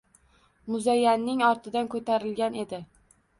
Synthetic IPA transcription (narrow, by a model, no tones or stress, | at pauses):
mʊzajːanːɪŋɒɾt̪ʰɪd̪ankʰɵt̪ʰaɾɪlɡʲane̞d̪ɪ